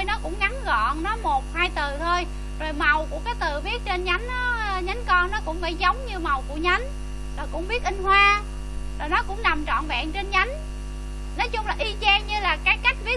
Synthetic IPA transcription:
jnɔ˨˦kʊ̰˧˥ŋ͡mɣa˨˦nɣɔ̰˧˨nnɔ˨˦mo˨˩t̚haː˧jt̪ɨ˨˩t̪ʰo˧j | zo˨˩jma˨˩wku˧˩əkaː˨˦jt̪ɨ˨˩vi˦˥ət̚t͡ɕe˧nɲa˨˦jŋ̟ːɔ˨˦ɲa˨˦nkɔ˧nnɔ˨˦kʊ̰˧˥ŋ͡mfa̰ː˧˩jzə˨˦wŋ͡mɲɨ˧ma˨˩wku˧˩əɲa˨˦jŋ̟ | zɔː˨˩jkʊ̰˧˥ŋ͡mɓi˦˥ət̚ʔï˧ŋ̟hwaː˧ | zo˨˩jnɔ˨˦kʊ̰˧˥ŋ͡mna˨˩mt͡ɕɔ̰˧˨nva̰ː˧˨ŋt͡ɕe˧nɲa˨˦jŋ̟ | nɔ˨˦jt͡ɕʊ˧ŋ͡mlaː˨˩ʔi˧t͡ɕɛː˧ɲɨ˧laː˨˩kaː˨˦j̚ka˦˥jk̟̚vi˦˥ə

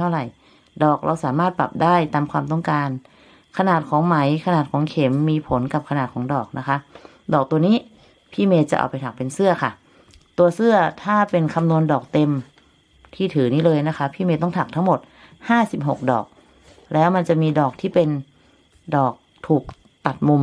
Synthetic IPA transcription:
t̪ʰa˥˩wɾa˨˩j | dɔː˨˩k̚ɾʔa˧wsaː˨˩˦maː˥˩t̪̚pa̰˨˩p̚daː˥˩jt̪aː˧mkʰwaː˧mt̪ɔ˥˩ŋkaː˧n | kʰa˧naː˨˩t̪̚kʰɔː˩˦ŋma˩˦jkʰa˧naː˨˩t̪̚kʰɔː˩˦ŋkʰe˩˦mːiː˧pʰo˩˦nka˨˩p̚kʰa˧naː˨˩t̪̚kʰɔː˩˦ŋdɔː˨˩k̚na˦˥kʰa˦˥ | dɔː˨˩k̚t̪u˧ɐniː˦˥˩ | pʰiː˥˩meː˧t͡ɕa˨˩ʔa̰˨˩pa˧jt̪ʰa˨˩k̚pe˧nsɯ˥˩ɐkʰa˥˩ | t̪u˧ɐsɯ˥˩ɐt̪ʰaː˥˩pe˧nkʰa˧mnu˧əndɔː˨˩k̚t̪e˧m | t̪ʰiː˥˩t̪ʰɯː˩˦niː˦˥lɤː˧jna˦˥kʰa˦˥pʰiː˥˩meː˧t̪ɔ˥˩ŋt̪ʰa˨˩k̚t̪ʰa˦˥ŋmo˨˩t̪̚ | haː˥˩si˨˩p̚ɦo˨˩k̚dɔ̰ː˨˩k̚ | lɛː˦˥wma˧nt͡ɕa˨˩miː˧dɔː˨˩k̚t̪ʰiː˥˩pe˧n | dɔː˨˩k̚t̪ʰuː˨˩k̚ | t̪a˨˩t̪̚mu˧m

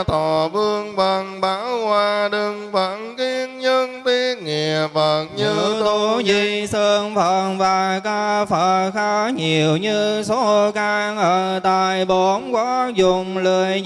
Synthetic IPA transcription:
t̪ʰɔ˨˩ɓɨ˧əŋva˨˩ŋɓaː˨˦whwaː˧ɗɨ˧˩ŋvə˧˥nki˧ənɲə˧nt̪i˧ŋi˨˩əp̚və˨˩n̚ɲɨ˧t̪t̪o˨˦zi˧˨˩səː˧nfə˧˨˩nvaː˨˩kaː˧fə˧˨˩xaː˨˦˥ɲi˨˩əwɲɨ˧so˨˦˧kaː˧ŋʔəː˧˨˩t̪aː˧˨˩jɓo˨˦nkwaː˨˦zʊ˨˩ŋ͡mlə˨˩j

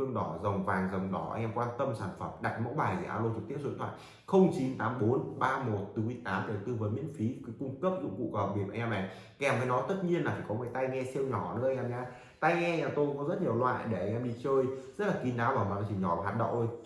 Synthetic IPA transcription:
ɨ˧əŋɗɔ˨˩zə˨˩wŋ͡mvaː˨˩ŋzə˨˩wŋ͡mɗɔ˨˩ʔa˧ŋʔɛ˧mkwaː˧nt̪ə˧msaː˧˩nfə˨˩mɗa˨˩kt̚mə̰˧˥wɓaː˨˩jkḭ˨˧˩ʔaː˧lo˧t͡ɕɨ˨˩k̚t̪i˦˥əsnt̪ʰw̰a̰ː˧˨j | xə˧wŋ͡mt͡ɕi˨˦nt̪aː˨˦mɓo˨˦nɓaː˧mo˨˩t̚t̪ɨ˨˦i˧˦t̪aː˨˦mɗə˨˩wt̪ɨ˧vəː˨˦jmḭ˧˥ənfi˨˦kɨ˨˦kʊ˧ŋ͡mkə˦˥p̚ŋṵ˧˥kṵ˧˨kɔ˧˩˨ɓi˧˩əʔa˧ŋʔɛ˧mʔɛ˧˩ | a˧ʔɛ˧˩mvəː˨˦jnɔ˨˦t̪ə˦˥t̚ɲi˧ənlaː˨˩faː˨˩jkɔ˨˦ŋəː˨˦jt̪a˧jŋɛ˧si˧əwɲɔ˧˩nɨ̰˧˥ʔa˧ŋʔɛ˧mɲaː˧ | t̪a˧jŋɛ˧ɲaː˨˧˩t̪o˧kɔ˨˦zə˦˥t̚ɲi˨˩əwlwa̰ː˧˨jɗe˧˩ʔa˧ŋ̟ʔɛ˧mɗi˧t͡ɕəː˧jzə˦˥t̚laː˨˩ki˨˦nɗaː˨˦wvaː˨˩wmə˨˩ta˧˩t͡ɕi˨˩ɲɔ˧˩vaː˨˩ɦaː˨˩t̚ɗə̰˧˨wŋ͡mʔo˧j

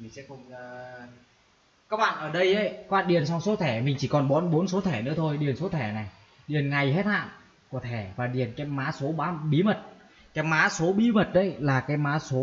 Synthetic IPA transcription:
mi˨˩sɛ̰˧˥˧ŋ͡m | kaː˦˥k̚ɓa̰ː˧˨nʔəː˧˩ɗə˧jʔə˨˦jkːaː˧˨˩ɗḭ˨˩ənsɔ˧wŋ͡mso˨˦t̪ʰɛ˧˩mï˨˩ŋ̟t͡ɕi˧˩kɔ˨˩nɓɔ˨˦nɓo˨˦nso˨˦t̪ʰɛ˧˩nɨ̰˧˥ət̪ʰo˧jɗi˨˩ənso˨˦t̪ʰɛ˧˩na˨˩j | ɗi˨˩ənŋa˨˩jɦe˦˥t̚ha̰ː˧˨n | ku˧˩ət̪ʰɛ˧˩vaː˨˩ɗi˨˩ənkaː˨˦jmaː˨˦˥so˨˦ɓaː˨˦ɓi˨˦mə˨˩t̚ | kaː˨˦jmaː˨˦so˨˦ɓi˨˦mə˨˩t̚ɗə˨˦jlaː˨˩kaː˨˦jmaː˨˦so˨˦

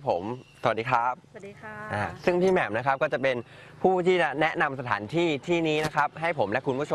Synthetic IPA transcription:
pʰo˩˦msa˨˧wa˨˩diː˦˧kʰa˦˥p̚ʔaː˨˩sɯ˥˩ŋt̪ʰiː˥˩mɛ˨˩mna˦˥kʰa˦p̚kɔː˥˩t͡ɕa˨˩pe˧n | pʰuː˥˩t̪ʰiː˥˩t͡ɕa˨˩nɛ˦˥na˧msa˧t̪ʰa̰ː˩˦nt̪ʰiː˥˩t̪ʰiː˥˩niː˦˥na˦˥kʰa˦˥p̚ɦa˥˩jpʰo˩˦mlɛ˦˥kʰu˧npʰuː˥˩t͡ɕʰo˧

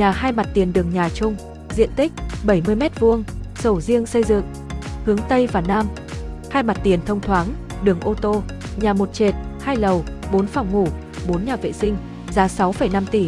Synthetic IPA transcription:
ɲaː˨˩haː˧jma˨˩t̚t̪i˨˩ənɗɨ˨˩əŋɲaː˨˩t͡ɕʊ˧ŋ͡m | zḭ˧˨ənt̪ï˦˥k̚ɓə˧˩jmɨ˧əjmɛ˦˥t̚vu˧əŋso˧˩zi˧əŋsə˧jzɨ̰˧˨ŋ | hɨ˨˦əŋt̪ə˧jvaː˨˩naː˧m | haː˧jma˨˩t̚t̪i˨˩ənt̪ʰə˧wŋ͡mt̪ʰwaː˨˦ŋɗɨ˨˩əŋʔo˧t̪o˧ | ɲaː˨˩mo˨˩t̚t͡ɕe˨˩t̚haː˧jlə˨˩wɓo˨˦nfa˧˩wŋ͡mŋu˧˩ | ɓo˨˦nɲaː˨˩vḛ˧˨sï˧ŋ̟ | zaː˨˦sa˨˦wfə˧˩jna˧mt̪i˧˩

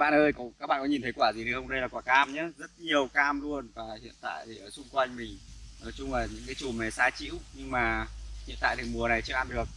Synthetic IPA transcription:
ɓa̰ː˧˨nʔəː˧jkɔ˨˦kaː˦˥ɓa̰ː˧˨nkɔ˨˦ɲi˨˩nt̪ʰjkwaː˧˩zi˨˩ɗɨ˨˩hə˧wŋ͡mɗə˧jlaː˨˩kwaː˧˩kaː˧mɲaː˨˦zə˦˥t̚ɲi˨˩əwkaː˧mlu˧ənvaː˨˩hḭ˧˨ənt̪a̰ː˧˨jt̪e˨˩ʔəː˧˩sʊ˧ŋ͡mkwa˧jŋ̟mï˨˩ŋ̟nə˨˩t͡ɕʊ˧ŋ͡mlaː˨˩ɲɨ̰˧˥ŋkaː˨˦jt͡ɕu˨˩mɛ˨˩saː˧t͡ɕḭ˧˥əwɲɨ˧ŋmaː˨˩hḭ˧˨nt̪a̰ː˧˨jt̪ʰmu˨˩əna˨˩jt͡ɕɨː˧ʔa˧nɗɨ˨˩ək̚

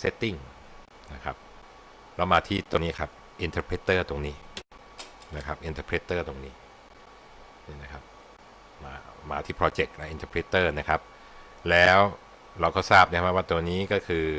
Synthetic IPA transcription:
se˦˥t̪ːi˥˩ŋ | na˦˥˩kʰa˦˥p̚ | lɛ˦˥wmaː˧t̪ʰiː˥˩t̪o˧ŋniː˦˥˩kʰa˦˥p̚ | ʔi˧nt̪əː˧pʰɾeː˦˥t̪ːɤː˥˩t̪o˧ŋniː˦˥ | na˦˥kʰa˦˥p̚ʔi˧nt̪ə˧pʰɾe˦˥t̪ːɤː˥˩t̪o˧ŋniː˦˥ | ni˥˩na˦˥˩kʰa˦˥p̚ | maː˧maː˧t̪ʰiː˥˩pʰɾɔː˧t͡ɕe˨˩k̚na˦˥ʔi˧nt̪ʰəː˧pʰɾe˦˥t̪ːɤː˥˩na˦˥kʰa˦˥p̚ | lɛː˦˥w | ɾa˧wkɔː˥˩saː˥˩p̚na˥˧˦a˥waː˥˩t̪o˧ŋniː˦˥kɔː˥˩kʰɯː˧

